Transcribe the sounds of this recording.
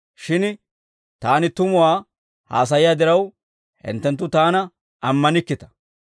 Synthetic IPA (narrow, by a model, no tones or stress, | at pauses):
ʃɪn | t̪aːnɪt̪ʊmʊwaː | ha̰ːs̬ɐjɪjaːd̪ɪɾɐw | hɪ̰nt̪ːɛnt̪ːʊt̪aːnɐ | ʔɐmːɐnɪkːɪt̪ɐ̥